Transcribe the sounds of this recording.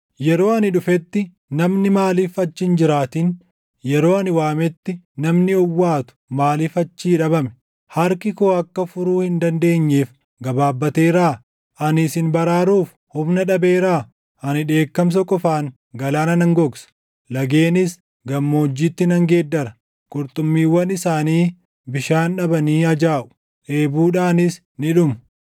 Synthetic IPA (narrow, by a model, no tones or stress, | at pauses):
jɛɾo̞ːɐnɪᶑʊfɛt̪ːɪ | nɐmnɪmaːliːfɐt͡ʃːɪnd͡ʒɪɾaːt̪iːn | jɛɾo̞ːɐnɪwaːmɛt̪ːɪ | nɐmnɪɔwːaːt̪ʊ̥maːliːfɐt͡ʃːiːᶑɐbɐmɛ̥ | hɐɾkɪkoːɐkːɐfʊɾuːhɪnd̪ɐnd̪e̞ːɲːeːf | ɡɐbaːbːɐt̪e̞ːɾaː | ʔɐnɪsɪnbɐɾaːɾuːf | hʊbnɐᶑɐbe̞ːɾaː | ʔɐnɪᶑe̞ːkːɐms̬ɐkʼɔfaːŋ | ɡɐlaːnɐnɐŋɡɔɡsɐ̥ | lɐɡe̞ːnɪs | ɡɐmːoːd͡ʒːiːt̪ːɪnɐŋɡe̞ːd̪ːɐɾɐ | kʼʊɾt̪ʼʊmːiːwɐnɪsaːniː | bɪʃaːnᶑɐbɐniːɐd͡ʒaːʔʊ̥ | ʔe̞ːbuːᶑaːnɪs | nɪᶑʊmɐ